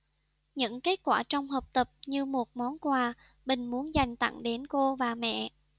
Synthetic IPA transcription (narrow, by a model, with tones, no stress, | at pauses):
ɲɨ̰˧˥ŋke˦˥t̚kwaː˧˩t͡ɕɔ˧wŋ͡mɦəː˨˩p̚t̪ə˨˩p̚ɲɨ˧mo˨˩t̚mɔ˨˦nkwaː˨˩ | ɓï˨˩ŋ̟mu˨˦ənza˨˩jŋ̟t̪ə̰˧˩ŋɗe˨˦nko˧vaː˨˩mɛ̰˧˨